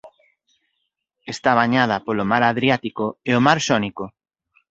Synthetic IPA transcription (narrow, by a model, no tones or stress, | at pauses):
est̪aβaɲað̞apolomaɾaðɾjat̪ikoeomaɾʃɔniko